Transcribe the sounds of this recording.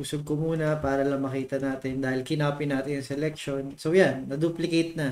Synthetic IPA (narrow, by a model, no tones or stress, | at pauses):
ʊsoɡ̚komuːnɐpaːɾɐlɐŋmɐkiːt̪ɐnaːt̪ɪnd̪aːhɪlkɪnaːpɪnaːt̪ɪnɐŋsɛlɛk̚ʃonsowjanːɐd̪uːplɪkejt̪nɐ